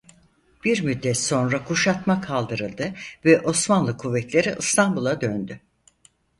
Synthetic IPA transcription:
b̥iɾmyd̪ːɛt̪so̞nɾakʰuʃat̪makʰalˠd̪ɯɾɯlˠd̪ɯvɛʔo̞smanlˠɯkʰuvːɛt̪lʲe̞ɾiʔɯst̪ʰanbulˠad̪ønd̪y

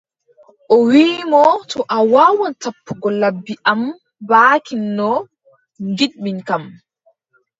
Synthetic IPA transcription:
ʔɔwiːmɔtʰɔʔawaːwɔntapːuɡɔlabːiʔam | baːkinːɔ | ŋɡiɗɓinkam

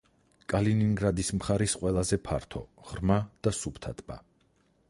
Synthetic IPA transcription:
kʼaliniŋɡɾad̪ismχaɾisqʼwɛlˠazɛpʰa̰ɾt̪ʰɔ̰ʁ̥ɾmad̪̥asupʰt̪ʰat̪ʼba̰

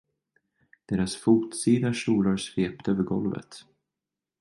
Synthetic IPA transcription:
d̪̥eːɾasfuːt̪siːd̪aʂuːlaɾsveːpt̪øːvəɾɡɔlvə̰t̪

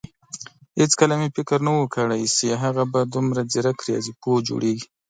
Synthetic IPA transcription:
het͡skəlamefɪkəɾnawəkəɽajsiɦaɣabad̪ʊmɾad͡ziɾakɾijɑ̰zipod͡ʒo̰ɽeɡi

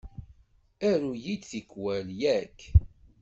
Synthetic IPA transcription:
æɾujid̪θikːwæljækː

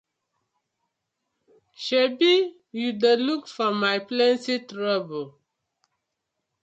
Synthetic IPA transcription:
ʃebi | judəlukfɔmajplɛ̃nsitɹabo

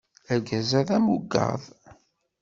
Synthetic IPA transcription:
æɾɡæzæðæmuɡɑ̰ðˤ

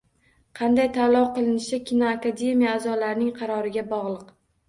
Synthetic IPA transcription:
qʰɑnd̪ajt̪ʰalˠɒwqɨlˠɪnɪʃɪkʲinoakad̪e̞mijaːzɒlaɾnɪŋqʰɑɾɒɾɪɡʲabɒʁlˠɨq

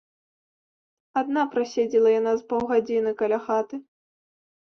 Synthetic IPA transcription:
ad̪napɾasʲɛd͡zʲilˠɐjanazpɔwɣad͡zʲinɨkɐlʲaxat̪ɨ

